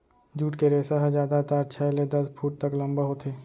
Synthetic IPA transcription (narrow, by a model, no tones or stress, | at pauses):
d͡ʒuːʈkeɾeːsaɦəd͡ʒaːd̪at̪aɾt͡ʃʰɛled̪ɐspʰuːʈ̚t̪əklɐ̃mbəɦot̪ʰeː